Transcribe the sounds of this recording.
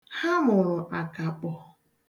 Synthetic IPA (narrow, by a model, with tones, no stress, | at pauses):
ha˦mʊ˨ɾʊ˨ʔa˨ka˨k͡pɔ˨